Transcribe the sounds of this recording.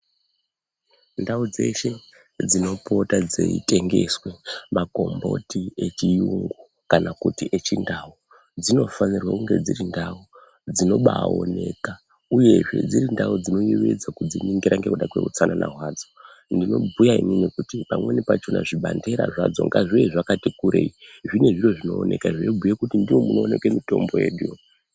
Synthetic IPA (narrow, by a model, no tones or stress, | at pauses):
ndaud͡ze̞̰ʃe̞ | d͡zino̞po̞tad͡zeḭte̞ŋɡe̞swemaɡʱo̞mbo̞̰tiet͡ʃijuŋɡu | kanakutiʔet͡ʃindau | d͡zino̞fanirwakuŋɡe̞d͡zirindau | d͡zino̞ɓao̰ne̞ka | uje̞ʐe̞̰d͡ziɾindaud͡zino̞juʋed͡zakud͡ziniŋɡiɾaŋɡekuɗakwe̞̰ṵt͡sananʔa̰ɦwaːd͡zo | ndino̞bujaḭninikutipamwe̞nipat͡ʃona̰ʐiɓande̞ɾa̰ʐad͡zoŋɡaʐijeʐakatikuɾeiʐine̞ʐiro̞ʐino̞ːne̞kaʐejebʱujekutindiwomunoone̞kwe̞mito̞mbo̞jeɗu